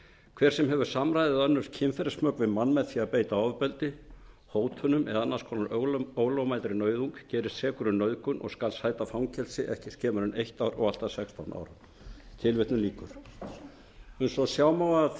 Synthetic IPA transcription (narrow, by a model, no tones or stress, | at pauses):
kʰv̥ɛɾ̥sɛmɦɛvʏɾ̥samɾajðɪðœnːʏɾ̥cʰɪnfɛɾɪsmœːkvɪmanːmɛðθiapeːjt̪aawvʏpɛlt̪ɪ | hoːwt̪hœnʏmɛ̰ðaanːaskʰɔːnaɾoːwlowmajt̪ɾɪnœːɥðuŋkcɛːɾɪst̪sɛːkʏɾʏnœɥðkʏnʔɔ̰ɣskalshajt̪afawŋcʰɛlsɪʔɛhcɪscʰɛːmʏɾʏnejht̪awɾɔɣal̥t̪asɛkst̪ʰawna̰ːwɾa | t̪ʰɪlvɪht̪nʏliːkʏɾ̥ | hʏnsɔðsjawmawɣa